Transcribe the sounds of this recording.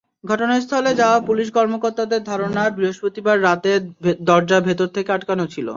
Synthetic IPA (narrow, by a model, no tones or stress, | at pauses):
ɡʱɔʈoneɾst̪ʰɔled͡ʑaoapuliʃ̬kɔɾmokoɾt̪ad̪eɾd̪ʱaɾonabɾiɦoʃpot̪ibaɾːat̪ed̪ɔɾd͡ʑabʱet̪oɾt̪ʰekeaʈkanot͡ɕʰilo̰